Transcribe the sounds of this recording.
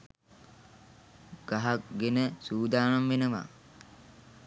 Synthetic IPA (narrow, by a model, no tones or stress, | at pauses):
ɡ̥aɦaɡenəsuːd̪aːnamʋenəʋa̰